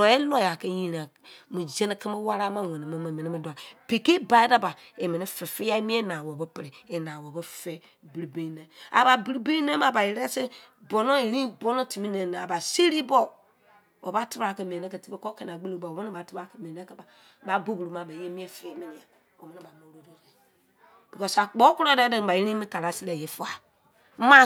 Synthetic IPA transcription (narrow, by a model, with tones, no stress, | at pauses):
e˦lo˦ja˨kɛ˦jĩ˦ɾa˨ | mu˨d͡ʒɛ˦ni˦kɛ˦ma˦wa˦ɾa˦mã˦˨wɛ̃˨nĩ˨mã˨˦mã˨mɛ̃˨nĩ˦mɛ˨da˨pe˨ke˦ba˨˦i˦da˦ba˨ | e˨mɛ˨ni˦fɛ˨fi˦a˦mĩ˦ɛ˦nã˨wɔ˨bɛ˦pɛ˨ɾe˨e˨nã˨wɔ˨bɛ˦fɛ˦ | bi˨ɾi˨bẽ˦i˦nã˨a̰˨ba˨bi˨ɾi˦be˦nã˦ma˨ba˨je˨ɾɛ˦se˦ | bɔ˨nõ˦e˨ɾĩ˦bɔ˦nɔ̃˦ti˨mĩ˦nɛ̃˨nã˨a˨ba˨si˦ɾi˦bɔ˦ | wɔ˨ba˦tɨ˦ba˦˨kɛ˨mĩ˨ɛ̃˨ɛ̃˦kɛ˨ti˦bɛ˦kɔ˦kɛ˦˨n˨a˨ɡ͡bɨ˦lo˦˨ba˨o˨˦õ˦nĩ˦ba˨˦tɨ˦ba˦˨kɛ˨mĩ˨nɛ̃˦kɛ˦ba˨ | ba˨˦bo˦bu˨ɾu˨mã˨ba˨˦je˦mĩ˦ɛ˦fe˦mɛ̃˨nĩ˨a˨ | wo˨mɛ̃˨˦ĩ˦ba˨mõ˨˦ɾo˦dɔ˦kɛ˨ | b̥i˨kɔ˦sa˨k͡pɔ˦ku˦ɾa˦dɛ˦dɛ˦ŋ˨ba˨ji˦ɾĩ˦mĩ˦ka˨la˦si˦lɛ˨je˨fa˨˦ | mã˦